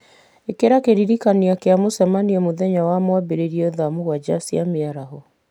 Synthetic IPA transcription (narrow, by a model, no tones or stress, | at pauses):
ekeɾakeɾiɾikaniakeamosɛmaniɛmoðɛɲawamwabeɾeɾiɔðamuɣwad͡ʒasiameaɾaɦɔ